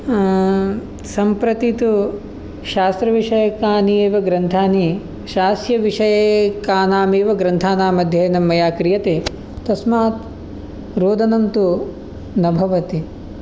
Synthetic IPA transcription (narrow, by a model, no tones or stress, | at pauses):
sɐmpɾɐt̪it̪u | ʃaːst̪ɾɐʋiʂɐjɐkaːnieːʋɐɡɾɐnt̪ʰaːni | ʃaːsjɐʋiʂɐjɐkaːnaːmeːʋɐɡɾɐnt̪ʰaːnaːmɐd̪ʱjɐnɐmːɐjaːkɾijɐt̪eː | t̪ɐsmaːt̪ | ɾoːd̪ʱɐnɐnt̪u | nɐbʱɐʋɐt̪i